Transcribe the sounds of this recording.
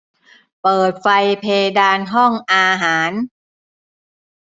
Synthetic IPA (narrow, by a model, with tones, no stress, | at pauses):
pɤː˨˩t̪̚fa˧jpʰeː˧daː˧nɦɔ˥˩ŋʔaː˧ɦaː˩˦n